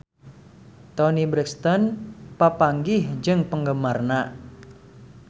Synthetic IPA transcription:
t̪ɔnibɾɛkst̪ɔnpapaŋɡɪhd͡ʒɨŋpəŋɡəmarna

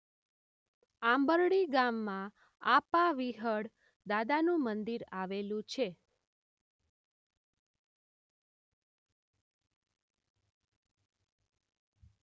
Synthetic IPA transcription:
ambəɾɽiɡamːã | apaʋiɦəɽ | d̪ad̪anũmənd̪iɾaʋelũt͡ʃʰe

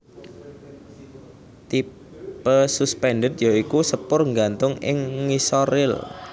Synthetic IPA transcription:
t̪i | pəsuspɛnɖət̪̚joikusəpʊrŋɡant̪ʊŋɪ̰ŋːisoɾɪl

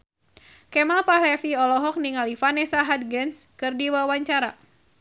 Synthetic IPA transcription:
kɛmalpaɦlɛfiɔlɔɦɔk̚niŋalifanɛsaɦad̪̚ɡənskɨrdiwawaɲt͡ʃaɾa

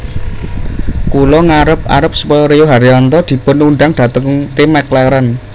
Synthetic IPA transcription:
kulɔŋaɾəp̚a̰ɾəp̚səpɔjɔɾejoɦaɾiɔnt̪ɔd̪̥i̤pʊnuɳɖaŋɖ̥ä̤t̪əŋŋt̪emɛklɛɾən

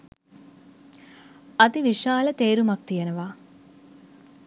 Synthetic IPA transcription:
ɐt̪iʋiʃaːlət̪eːɾumak̚t̪ijenəʋaː

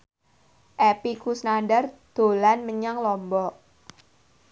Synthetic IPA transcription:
ʔepikusnandard̪̥o̤lanməɲaŋlɔmbɔ

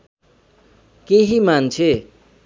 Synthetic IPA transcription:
keɦimant͡sʰe

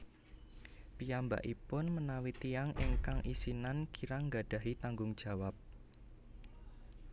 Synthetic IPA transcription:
piamba̰ʔipʊnmənawit̪iaŋʔɛŋkaŋʔisinankiɾaŋɡa̤d̥a̤ɦit̪aŋɡʊŋd̥ʒ̥ä̤wap̚

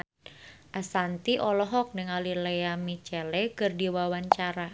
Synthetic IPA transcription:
ʔasant̪iʔɔlɔɦɔk̚nəŋalilejamit͡ʃɛlɛkɨrdiwawaɲt͡ʃaɾa

